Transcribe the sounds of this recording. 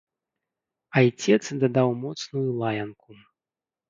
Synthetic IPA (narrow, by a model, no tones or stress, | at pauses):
ɐjt͡sʲɛt̪sd̪ɐd̪awmɔt̪snujulˠajɐnku